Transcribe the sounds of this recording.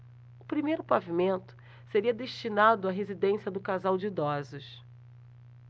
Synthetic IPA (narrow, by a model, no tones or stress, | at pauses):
ʊpɾimejɾʊpavimẽnt̪ʊ̥ | seɾiɐd̪eʃt͡ʃinad̪ʊaɦezid̪ẽsiɐd̪ʊkazawd͡ʒɪːd̪ɔzʊʃ